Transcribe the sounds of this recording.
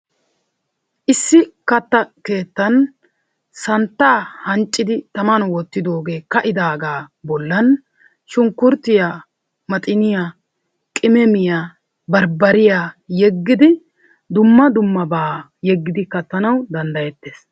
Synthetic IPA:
ʔɪsːɪkɐt̪ːɐke̞ːt̪ːɐn | sɐnt̪ːaːhɐnt͡ʃʼːɪd̪ɪt̪ɐmɐnwɔt̪ːɪd̪o̞ːɡe̞ːkɐʔɪd̪aːɡaːbɔlːɐn | ʃʊŋkːʊɾt̪ːɪja | mɐt̪ʼɪnɪja | kʼɪmɛmɪja | bɐɾbɐɾɪjajɛɡːɪd̪ɪ | d̪ʊmːɐd̪ʊmːɐbaː | jɛɡːɪd̪ɪkɐt̪ːɐnɐwd̪ɐnd̪ɐjɛt̪ːeːs

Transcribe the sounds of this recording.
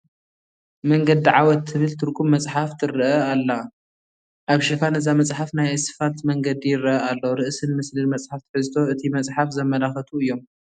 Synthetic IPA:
mɐŋɡɐd̪iʕawɔt̪ʰːɨβɨlt̪ʰɨɾkʼumːɐt͡sʼħaft̪ʰɨɾɐʔɐalːɐ | ʔaβʃɪfanɨzamɐt͡sʼħafnajsɨ̥falt̪mɐŋɡɐd̪ijɪrːɐʔɐalːoɾɨʔsɨnmɨslɨnmɐt͡sʼħaft̪ʰɨ̥ħɨzt̪ʰo̞ɨt̪ʰimɐt͡sʼħafzɐmːɐlaxɐt̪ʰuɨjːo̞m

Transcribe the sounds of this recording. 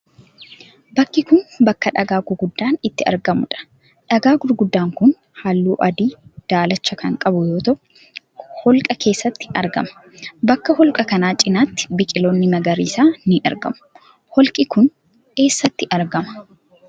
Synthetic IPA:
bɐkːɪkʊnbɐkːɐᶑɐɡaːɡʊɾɡʊd̪ːaːnɪt̪ːɪɐ̰ɾɡɐmʊ̰ᶑɐ̥ | ᶑɐɡaːɡʊɾɡʊd̪ːaːŋkʊn | haːlːṵːʔɐd̪iːd̪̥aːlɐt͡ʃːɐkɐŋkʼɐbʊjo̞ːt̪ɐʔʊ | hɔlkʼɐkʰe̞ːsːɐt̪ːɪ̥ɐɾɡɐ̰mɐ̥ | bɐkːɐhɔlkʼɐkɐnaːt͡ʃʼɪnaːt̪ːɪ̥bɪkʼɪlo̞ːnːɪmɐɡɐɾḭːsaːnɪʔɐ̰ɾɡɐ̰mʊ̥ | hɔlkʼɪkʊn | ke̞ːsːɐt̪ːɪʔɐɾɡɐmɐ̥

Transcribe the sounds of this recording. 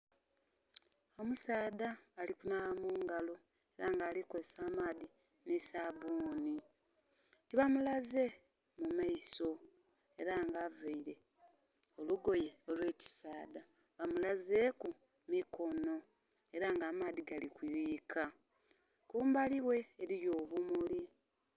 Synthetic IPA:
o̞musaːðaːlikunalamuːŋɡalo̞ | e̞ɾaŋɡaːlikoesaːmaːði | nesaβuːni | tiβamulaze̞ | mumaiso̞ | e̞ɾaŋɡaveiɾe̞ | o̞luɡo̞je̞olwe̞ːci̥saːda | βamulaze̞ku | miko̞no̞ | e̞ɾaŋɡaːmaːðiɡalikwiɾiːkʰa | kuːmbaliwe̞ːɾiɾjo̞ːβumuli

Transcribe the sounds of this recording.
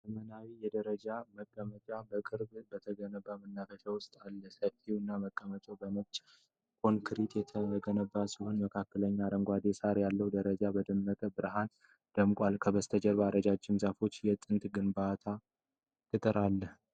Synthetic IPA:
zəmənawijɛd̪əɾəd͡ʒaməkʼːəmət͡ʃʼabəkʼɨɾbɨbət̪ʰəɡənəbːamənːafəʃawʊst̪ʼalːəsəfiwɨnːaməkʼːəmət͡ʃʼobəmət͡ʃʼ | kʰʼo̞nkʰɨɾit̪jɛt̪ʰəɡənəbːasiho̞nməkʰakːələɲːaɾəŋɡʷad̪esaɾjalːəwd̪əɾəd͡ʒabəd̪əmːət̪ʼəbɨɾɦan | d̪̥əmkʷʼalkʰəbəst̪ʰəd͡ʒɛɾbaɾəd͡ʒat͡ʃːɪmzafo̞t͡ʃːjɛt̪ʼɨnt̪ɡɨnbat̪ʰa | kɨt̪ʼɨɾalːəh

